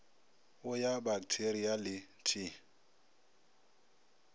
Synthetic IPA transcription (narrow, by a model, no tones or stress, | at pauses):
wɔjabak̚tʰeɾiali | tʰi